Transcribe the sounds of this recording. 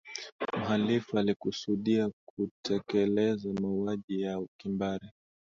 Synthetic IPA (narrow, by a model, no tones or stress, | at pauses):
m̩halifualikusuɗiakutʰɛkɛlɛzamauaʄijaukimbaɾi